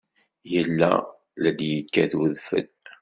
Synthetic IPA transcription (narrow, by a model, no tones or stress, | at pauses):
jəlːæ̰ | læd̪jəkːæθuðfə̰d̪